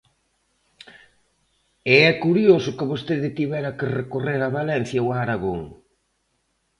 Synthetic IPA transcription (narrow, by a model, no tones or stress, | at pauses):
eɛkuɾjosʊkɪβost̪eðɪt̪iβɛɾɐkerekoreɾaβalɛn̟θjɐoaːɾaɣo̰ŋ